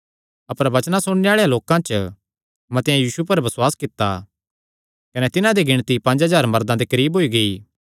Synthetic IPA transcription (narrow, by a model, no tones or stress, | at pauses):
ɐpəɾbɐt͡ʃnasʊɽneaːɭejãloːkãt͡ʃ | mɐ̃t̪ɪjãjiːsupɐɾbɐswaːskɪt̪ːa | kɐnɛt̪ɪnãd̪iɡɪɽ̃t̪ipɐ̃nɲd͡ʒɦɐzaːɾmɐɾd̪ãd̪ikɐɾiːbʱɦoːiɡɐiː